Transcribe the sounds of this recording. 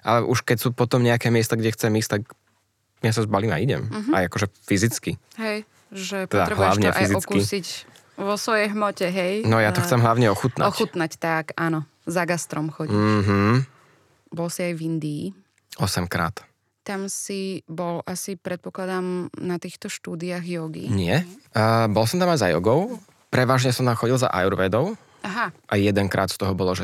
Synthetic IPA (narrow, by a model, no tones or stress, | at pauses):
ʔalɛʔuʃkɛcsuːpɔt̪ɔmɲɛakɛːmɪɛst̪aɡɟɛxt͡sɛmiːst̪ak | mɪjas̬azbaliːma̰iɟɛ̰mɦa̰jakɔʒɛfizit͡ski | ɦɛj | ʒɛt̪ɛd̪aɾɛɦlaʊɲɛfʔaiziɔt͡skkisic | ʋɔsʋɔjɛjɦmɔcɛɦɛjnɔjat̪ɔxt͡sɛmɦlaʊɲɛɔxut̪naɔxut̪nact̪akaːnɔ | zaɡast̪ɾɔmxɔɟiɦ̩ | bɔlsiajvind̪iː | ɔsɛmkɾa̰ːt̪ | t̪amsibɔlʔasipɾɛt̪̚pɔklad̪amnat̪iːxt̪ɔʃt̪uːd̪iaɣjɔɡḭɲɪɛ | bɔlsɔmt̪amajzajɔ̰ɡɔʊ | pɾɛʋaːʒɲɛsɔmt̪amxɔɟilza̰ʔa̰juɾʋɛd̪ɔʊ | ʔaɦaʔajjɛd̪ɛŋkɾa̰ːt̪st̪ɔɦɔbɔlɔʒɛ